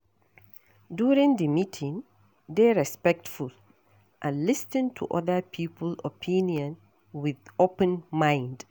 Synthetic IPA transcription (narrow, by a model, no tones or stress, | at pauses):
duɹɪ̃ŋdəmitʰɪ̃ŋ | ðeɹɛspɛk̚tful | ʔãnlɪstɪ̃ntʰṵʔɔ̰ðəpʰiːpʰəlɔ̰pʰĩnjɔ̃n | wɪðopə̃nmãɪ̃nd